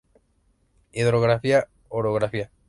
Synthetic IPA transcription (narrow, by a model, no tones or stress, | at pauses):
iðɾoɣɾafia | oɾoɣɾafia